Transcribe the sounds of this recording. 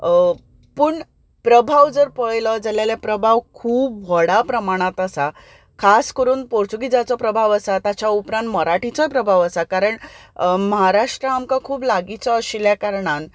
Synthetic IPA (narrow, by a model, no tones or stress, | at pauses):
pəːɳ | pɾəbʱaʋd͡zəɾpəjlɔd͡zaljalapɾəbʱaʋkʰuːb̚ʋʱɔɽapɾəmaɽ̃at̪əsa | kʰaskəɾuːnpoɽt͡sukid͡zat͡sɔpɾəbʱaʋəsat̪at͡ɕjaupɾãnt̪məɾaʈit͡sɔpɾəbʱaʋəsakaɾəɳməɦaɾaʂʈɾəamkãkʰuːblaɡit͡sɔːɕiljakaɾɳan